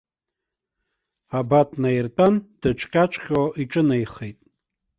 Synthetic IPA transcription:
abatʰʼnairtʼand̥ɨʈ͡ʂʷʰʼqʲʼat͡ʃʷʰʼχʲoʔiʈ͡ʂʼɨnajχejtʼ

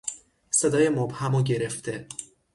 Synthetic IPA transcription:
sed̪ɒːjemobhæmoɟe̞ɾeft̪ʰe

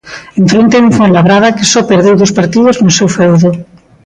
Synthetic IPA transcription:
ẽɱfɾont̪euɱfonlaβɾað̞akɪsɔpeɾðewðospaɾt̪iðoznosewfɛwðo

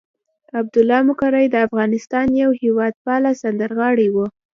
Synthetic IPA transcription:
ab̚d̪ʊlːɑmʊkɑɾajd̪əafɣɑnɪst̪ɑnjawhewɑd̪̚pɑlasand̪əɾɣɑɽiwu

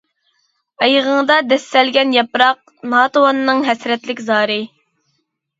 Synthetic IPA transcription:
ɑjʁəŋd̪ɑd̪ɛsːɛlɡʲɛnjɑpɾɑq̚nɑːt̪owɑnːɨŋɦɛsɾɛt̪lɪkʲzɑːɾɨ

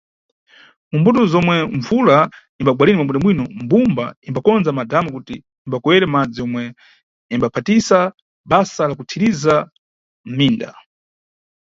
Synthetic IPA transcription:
mumbutɔzɔmwɛɱvula | imbaɡwalinimambundamwinɔmbumbaimbakɔnd͡zamadamɔkutiː | mbakɔwɛɾɛmad͡ziɔmwɛ | imbapʰatisa | ɓasalakutʰiɾiza | m̩miːnda̰

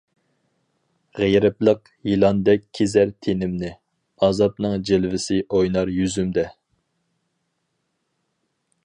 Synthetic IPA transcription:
ʁejɾɪplˠəq | jilˠɑnd̪ɛk̚ʲʰːezæɾt̪ʰenɪmnɪ | ɑzɑpnɨŋd͡ʒɪlvɪsɪʔojnɑɾjyzymd̪ɛ

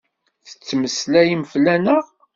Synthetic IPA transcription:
θə̥t͡sːməslæjəmflænəʁ

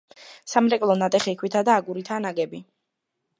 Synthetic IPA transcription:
samɾɛkʼlˠɔnat̪ʼɛχikʰwit̪ʰad̪aːɡuɾit̪ʰaːnaɡɛbi

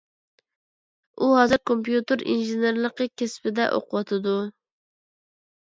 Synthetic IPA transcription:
uɦɑzɨɾkʰompjut̪ɨɾḭnʒeneɾlˠəqʰəkʲʰespɪd̪ɛ̰ʔo̰qʊwɑt̪ʰɨd̪u

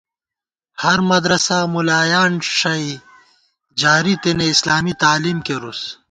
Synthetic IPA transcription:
hɐɾmɐd̪ɾɐsamulaːjaːnʂɐi | d͡ʑaːɾit̪eneislaːmit̪aːliːmkeɾus

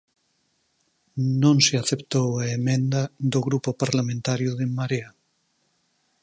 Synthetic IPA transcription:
nõŋseaθept̪owaemẽnd̪aðoɣɾupopaɾlamẽnt̪aɾjoðemaɾea

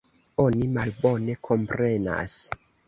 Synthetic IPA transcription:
o̞nimalbo̞ne̞kʰo̞mpɾe̞na̰s

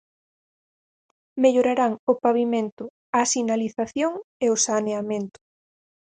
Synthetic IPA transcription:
meʎoɾaɾaŋʊpaβimẽnt̪ʊ | asinaliθaθjoŋeosaneamẽnt̪ʊ̥

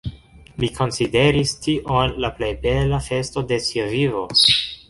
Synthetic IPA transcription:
mikʰo̞nside̞ɾistiʔo̞nlaplejbe̞lafe̞sto̞de̞siavivo̞

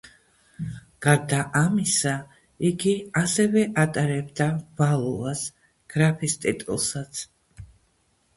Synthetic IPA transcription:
ɡ̥aɾd̪aʔamisa | iɡiasɛvɛʔat̪ʼaɾɛbd̪av̥alˠɔvas | ɡ̥ɾapʰist̪ʼḭt̪ʼṵlˠsat̪sʰ

